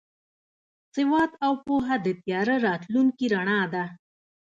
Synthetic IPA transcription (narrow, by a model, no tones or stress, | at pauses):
sɪwɑt̪awpoɦad̪ət̪jɑɾaɾɑt̪luŋkiɾaɳɑd̪a